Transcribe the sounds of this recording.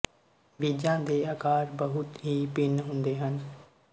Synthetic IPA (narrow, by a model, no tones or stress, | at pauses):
ʋiːd͡ʒãːd̪eːaːkaːɾbəɦʊt̪ɦiːpɪnɦʊ̃nd̪eːɦən